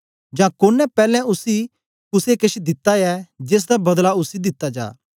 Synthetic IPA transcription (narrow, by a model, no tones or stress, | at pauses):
d͡ʒãkoːnːɛ̃pɛːlɛ̃ʊsi | kʊsekɐʃid̪ɪt̪ːaɛd͡ʒeːs̬d̪abɐd̪laʊsid̪ɪt̪ːad͡ʒa̰ː